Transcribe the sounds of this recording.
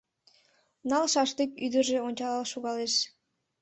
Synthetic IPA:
nɑlʃɑʃt̪ekyd̪əʒeonʲt͡ɕɑlɑlʃuɣɑleʃ

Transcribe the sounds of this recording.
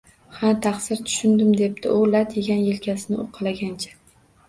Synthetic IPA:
hat̪ʰaχsɪɾt̪ʰʊ̥ʃʊnd̪ɪmd̪e̞p̚t̪ʰɪʔʊlat̪ʰjeɡʲanjelkʲasɪnɪʔo̰qʰɨlaɡʲant͡ʃʰḁ

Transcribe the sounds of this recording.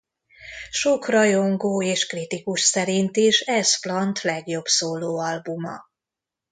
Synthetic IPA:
ʃokrɒjo̞ŋɡoːeːʃkrit̪ikuʃsɛɾint̪iʃɛsflɒnt̪lɛɡjo̞bsoːloːɒlbumɒ̰

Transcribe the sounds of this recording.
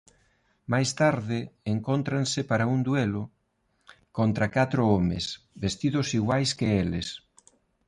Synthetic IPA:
majst̪aɾðɪeŋkont̪ɾansɪpaɾaund̪welʊ | kont̪ɾakat̪ɾoomḛs | best̪iðʊsiɣwajskeeles

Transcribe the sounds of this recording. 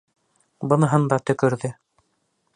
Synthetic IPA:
bɤ̆nɤ̆ɦɤnd̪ɑt̪ɵ̆kɵ̆ɾðɵ

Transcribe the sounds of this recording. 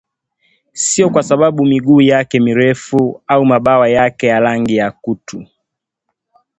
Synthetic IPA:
siɔkwasaɓaɓumiɡuːjakɛmiɾɛfuaumaɓawajakɛjalaŋɡijakutu

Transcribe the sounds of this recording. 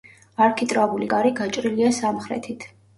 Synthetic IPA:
aɾkʰit̪ʼɾabulikʼaɾiɡat͡ʃʼɾiliasamχɾɛ̰t̪ʰit̪ʰ

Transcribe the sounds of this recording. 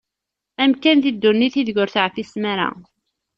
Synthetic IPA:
æmkænðid̪ːunːiθiðʝʊɾθʕfismæɾæ̰

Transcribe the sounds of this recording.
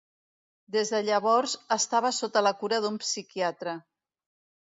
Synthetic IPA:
d̪ezðəʎəβ̞ɔɾzəst̪aβəsot̪ələkuɾəðumpsikiat̪ɾə

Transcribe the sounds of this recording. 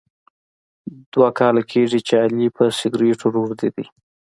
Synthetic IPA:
d̪̥wakɑlakʰeʐit͡ʃealipəsɪɡɾeʈʰoɾuɾd̪id̪i

